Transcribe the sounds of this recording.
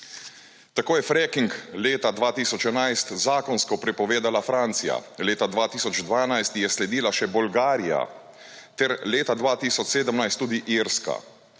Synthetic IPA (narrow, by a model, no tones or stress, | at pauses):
t̪akoːjɛfɾɛkiŋkleːt̪ad̪ʋaːt̪iːsɔt͡ʃɛnajst̪zaːkɔnskɔpɾɛpɔʋeːd̪alafɾaːnt̪sija̰leːt̪ad̪ʋaːt̪iːsɔd͡ʒd̪ʋaːnajst̪jɛslɛd̪iːlaʃɛbɔlɡaːɾija̰ | t̪ɛɾleːt̪ad̪ʋaːt̪iːsɔt͡ʃseːd̪əmnajst̪ːuːd̪iʔiːɾska̰